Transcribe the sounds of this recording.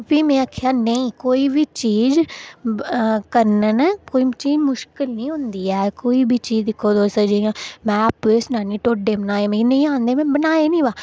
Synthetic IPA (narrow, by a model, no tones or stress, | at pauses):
piːmɛ̃ːaːkʰjaːnəĩːkoːiːbiːt͡ʃiːz | kəɾnənːkoːiːt͡ʃiːd͡ʒmʊʃkɪlnĩːɦʊ̃nd̪iːɛːkoːiːbʱiːt͡ʃiːzd̪ɪkʰːoːd̪oːsəd͡ʒeːjãːmɛ̃ːapesnaːniːʈoːɖeːbənaːeːmɛ̃nə̃ĩːãːnd̪eːmɛ̃ːbənaːeːnĩːʋaː